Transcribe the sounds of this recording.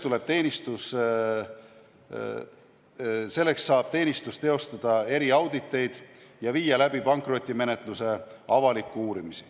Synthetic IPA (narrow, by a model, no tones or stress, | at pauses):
t̪ule̞b̥t̪e̞ːnʲist̪us | se̞lːe̞ksːɑːb̥t̪e̞ːnʲist̪ust̪e̞o̞st̪ɑd̪̥ɑe̞ɾiɑwd̪it̪ːˑe̞jd̪̥jɑviːjɑlæb̥ipɑŋkro̞t̪ʲˑːime̞net̪ˑluse̞ɑvɑlikːˑuuːɾimisi̥